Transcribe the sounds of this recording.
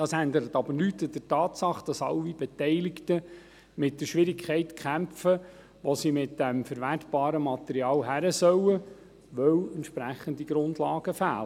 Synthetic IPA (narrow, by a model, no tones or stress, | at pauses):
d̥ɑsænd̪əɾət̪ɑbəɾnyt̪d̥ətɑːt̪sɑχd̥ɑsɑ̰lib̥ɛtɛɪlɪktə | mɪt̚d̥əʃʋɪɾɪkʰɛɪtkχæmfə | ʋosimɪtd̥ɛmfəɾʋætb̥ɑːɾəmɑt̪ɛɾiɑːlɦæɾəsœwə | ʋœwɛnt̪ʃpɾæχəndiɡɾʊndlɑːɡ̥əfæːlə